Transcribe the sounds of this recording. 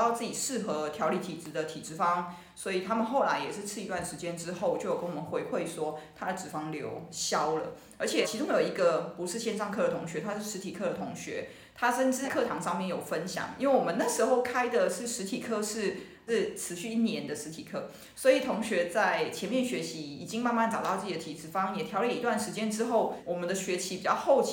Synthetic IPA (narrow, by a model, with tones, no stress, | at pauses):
ɑ˥˧ʊt͡s̩˥˩t͡ɕi˨˩ʂɻ̩˥˩xɤ˧˥t̪ʰjɑ˧˥ʊli˥˩t̪ʰi˨˩ʈ͡ʂɻ̩˧˥d̪ə˨t̪ʰi˨˩ʈ͡ʂɻ̩˥fɑ˥ŋ | swɔ˧˥i˨˩t̪ʰa˥mə˨nxo˥˩ʊla˧˥ɪjɛ˨˩ʂɻ̩˥˧t͡sʰɹ̩˥˩˨i˧t̪wa˥˩nʂɻ̩˧˥t͡ɕjɛ˥nʈ͡ʂɻ̩˥xo˥˩ʊt͡ɕjo˥˩jkə˥nwɔ˨˩mə˦nxwe˧˥ɪxwe˥˩ɪʂwɔ˥t̪ʰa˥d̪ə˨ʈ͡ʂɻ̩˨˩fɑ˥ŋljo˧˥ʊɕjɑ˥ʊlə̰˨ | ə˞˧˥t͡ɕʰjɛ˨˩t͡ɕʰi˧˥ʈ͡ʂʊ˥ŋjo˨˩ʊi˧˥ɡə˨pu˧˥ʂɻ̩˥˧ɕjɛ˥˧nʂɑ˥˧ŋkʰɤ˥˩d̪ə˩t̪ʰʊ˧˥ŋɕɥɛ˧˥t̪ʰa˥ʂɻ̩˥˩ʂɻ̩˧˥t̪ʰi˨˩kʰɤ˥˩ɾə˩t̪ʰʊ˧˥ŋɕɥɛ̰˧˥˦ | t̪ʰa˥ʂə˥˧nʈ͡ʂɻ̩˧˥˩kʰɤ˥˩t̪ʰɑ˧˥ŋʂɑ˥˧ŋmjɛ˥˩njo˨˩ʊfə˦nɕjɑ̰˨˩ŋi˥nwe˥˩wɔ˨˩ə˦na˥˩ʂɻ̩˧˥xo˥˩ʊkʰa˥ɪd̪ə˨ʂɻ̩˥˩ʂɻ̩˧˥t̪ʰi˨˩kʰɤ˥˧ʂɻ̩˥˩ | ʂɻ̩˥˩t͡sʰɹɻ̩˧˥˦ɕy˥˧i˥˩njɛ˧˥nd̪ə˨ʂɻ̩˧˥t̪ʰi˨˩kʰɤ˥˩ | swɔ˧˥i˨˩t̪ʰʊ˧˥ŋɕɥɛ˧˥t͡sa˥˩ɪt͡ɕʰjɛ˧˥nmjɛ˥˩nɕɥɛ˧˥ɕi˧˥i˨˩t͡ɕi˥ŋma˥˧nma˥˩ntʈ͡ʂɑ˨ʊt̪ɑ˥˧ʊt͡sɤ˥˩t̪ʰi˨˩t͡sɻ̩˨˩fɑ˥ŋjɛ˨˩t̪ʰjɑ˧˥ʊljɛ˥˩i˧˥t̪wa˥˩nʂɻ̩˧˥t͡ɕjɛ˥nʈ͡ʂɻ̩˥xo˥˩ʊwɔ˨˩mə˨˦nd̪ə˧ɕɥɛ˧˥t͡ɕʰi˧˥pi˨˩t͡ɕjɑ˥˧ʊxo˥˩ʊt͡ɕ